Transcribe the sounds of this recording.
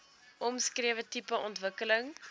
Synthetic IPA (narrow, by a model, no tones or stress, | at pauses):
ʔɔmskriəvətipəʔɔntvəkələŋ